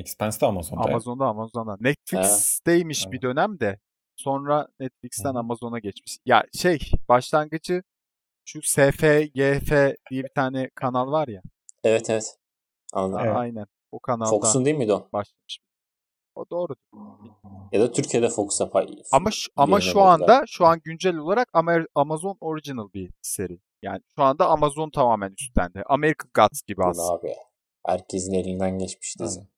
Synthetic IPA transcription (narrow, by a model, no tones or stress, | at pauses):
ɛkspansd̪ɛamazoa̰mazo̞nd̪aːmazond̪anɛt̪flʲiksd̪̥ejmiʃbid̪ø̞næmd̪ɛ | so̞nɾanɛt̪flʲicst̪ʰænamazo̞naɟɛt͡ʃmiʃja̰ʃejb̥aʃlˠanɡɯd͡ʒɯ | ʃuseːfejefed̪̥ijɛbit̪ʰaːnɛkʰanalˠvaɾja | ɛvɛt̪ʰɛvɛt̪ | anajnænbukʰanallok̪u̥saund̪eijilʲmid̪obaʃlˠamɯʃm | od̪o̞ːɾud̪uijad̪at̪ʰyɾcʰijed̪ɛfokʰu̥sapʰaamaʃammaʃuand̪aʃuanɟynd͡ʒælʲo̞lˠaɾakamaamazo̞no̞ɾid͡ʒinɯlˠbise̞ɾi | ja̰ːnɪʃuand̪aːmazo̞nt̪ʰamaːmænyst̪lʲæ̰nd̪ɪʔame̞ɾikʰaɡat̪sɟibia̰aːbi | hæ̰ɾcʰe̞zinelʲind̪ænɟɛt͡ʃmi̥ʃd̪izi